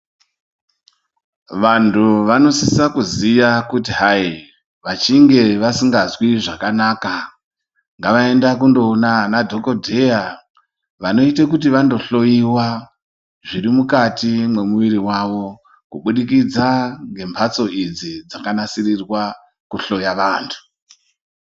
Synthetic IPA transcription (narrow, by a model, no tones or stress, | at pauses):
ʋantʰuʋano̞sisakuzijakut̬iɦai | ʋat͡ʃiŋɡe̞ʋasiŋɡazwiʐakanaːka | ŋɡaʋae̞ndak̬undo̞ːnanadʱo̞ko̞dʱe̞ja | ʋano̞it̬ekut̬iʋando̞ɬo̞jiwa | ʐiɾimukatimwe̞muʋiɾiwaʋo̞ | kuɓuɗikid͡zaŋɡe̞mpʰat͡so̞id͡zid͡zakanasirirwa | kuɬo̞jaʋaːntʰu̥